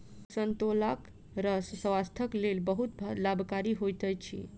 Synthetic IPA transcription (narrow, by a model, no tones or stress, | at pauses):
sənt̪olak | ɾəsswast̪ʰəklelbəɦut̪bʱlabʱkaɾiɦojt̪ət͡ʃʰḭ